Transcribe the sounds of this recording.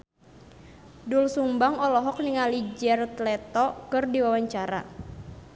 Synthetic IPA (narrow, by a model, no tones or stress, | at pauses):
dulsumbaŋɔlɔɦɔk̚niŋalid͡ʒɛrt̪lɛt̪ɔkɨrdiwawaɲt͡ʃaɾa̰